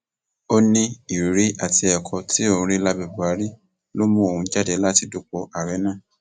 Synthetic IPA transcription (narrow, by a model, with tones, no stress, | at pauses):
o˦nĩ˧i˨ɾɾi˨˦ʔa˦˨ti˧ɛ˨kʰɔ˧ti˦õ˦˧˨ɾi˦la˦bɛ˨bu˨a˨˦ɾi˦ | lo˦mũ˦o˨hũ˨˧˦d͡ʒa˦dɛ˧la˦ti˧do˨˧k͡pɔ˧a˨ɾɛ˨˦nãː˦˨